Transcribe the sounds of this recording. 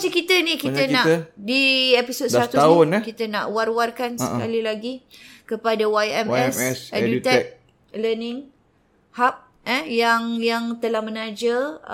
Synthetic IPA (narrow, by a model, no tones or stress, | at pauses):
sikit̪ənikit̪ənãdiepisod̪sɾat̪uaʊnkit̪əna̰ʔwarwarkansəka̰lilaɡikəpadawajɛmɛssadut̪ɛk̚ | lənɪ̃ŋ | hap̚ | ɛjaŋjaŋt̪əlahmənad͡ʒa